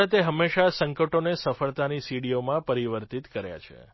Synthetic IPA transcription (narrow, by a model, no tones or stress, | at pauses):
at̪eɦəmːeʃasəŋkəʈonesəfəɭt̪anisiɽijomãpəɾiʋəɾt̪it̪kəɾja̰t͡ʃʰḛ